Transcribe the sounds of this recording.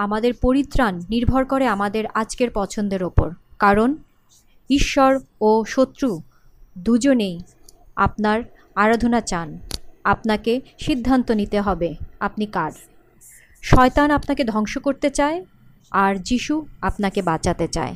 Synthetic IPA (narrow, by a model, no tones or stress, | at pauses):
amad̪eɾpoɾit̪ːɾanːiɾbʱoɾkoɾeamad̪eɾad͡ʑkeɾpɔt͡ɕʰond̪eɾopo̰ɾkaɾon | iʃːoɾoʃot̪ːɾu | d̪ud͡ʑonej | a̰p̚naɾ | aɾod̪ʱonat͡ɕanap̚nakeʃid̪ʱːant̪onit̪eɦɔbeapnikaɖ | ʃɔet̪anapnaked̪ʱɔŋʃokoɾt̪et͡ɕae | aɾd͡ʑiʃuapnakebat͡ɕat̪et͡ɕa̰e